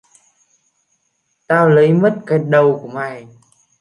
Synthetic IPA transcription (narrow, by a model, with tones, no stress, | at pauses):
t̪aː˧wlə˨˦jmə˦˥t̚kə˨˩˦t̚ɗə˨˩wku˧˩əŋa˨˩j